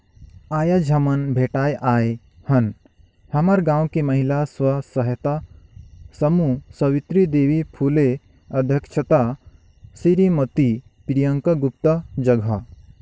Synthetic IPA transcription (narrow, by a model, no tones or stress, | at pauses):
aːjad͡ʒʱɐmɐnbʱeːʈaːjʔaːe | hɐn | hɐmaɾɡãːwkemɐɦilaswɐsɐɦet̪a | sɐmusɐʋɪt̪ɾid̪eːʋipʰuːle | ɐd̪ʱjəkʃʰət̪a | siɾimɐt̪i | pɾijəŋkɐɡupt̪əd͡ʒɐɡʱa